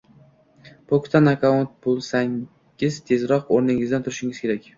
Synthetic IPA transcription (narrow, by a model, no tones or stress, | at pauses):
pʰokt̪ʰanakʰaont̪̚bolˠsaŋ | ɪzt̪ʰe̞zɾɒqoɾnɪŋɪzd̪ant̪ʰʊɾɪʃɪŋɪz̥kʲe̞ɾakʲ